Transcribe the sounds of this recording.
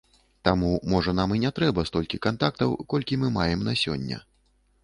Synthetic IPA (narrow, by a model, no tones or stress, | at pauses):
t̪amumɔʐɐnaminʲɛt̪ɾɛbɐst̪ɔlʲkʲikant̪akt̪ɐwkɔlʲkʲimɨmajɛmnasʲɔ̰nʲːɐ̰